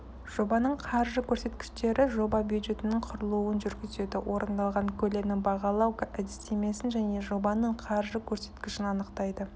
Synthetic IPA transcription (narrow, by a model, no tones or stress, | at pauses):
ʒ̥o̞bɑnəɴqʰɑɾʒəkʲʰɵɾse̞t̪kʲɪ̥ʃt̪e̞ɾʔɪʒo̞bɑbʲjud̪ʒe̞t̪ɪnɪɴqʰʊɾəlˠuənʒʏɾɡʲɪze̞d̪ɪwʔo̞ɾənd̪ɑlˠʁɑŋkʲʰɵle̞mnɪbɑʁɑlˠɑwkæd̪ɪst̪e̞me̞sɪnʒæne̞ʒo̞bɑnəɴqʰɑɾʒəkʲʰɵɾse̞t̪kʲɪʃɪnɑnəqt̪ɑjd̪ə